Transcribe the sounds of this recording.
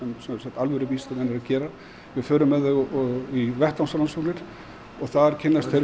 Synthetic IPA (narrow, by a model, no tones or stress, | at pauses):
ɛmsɛsat̪alvœɾʏpiːsaɛnːɪɾaðcɛːɾa | vɪɾfœːɾʏmːɛðɛɣivɛht̪ansalansɔklɪɾ̥ | ɔɣθaðɾcʰɪnːast̪θe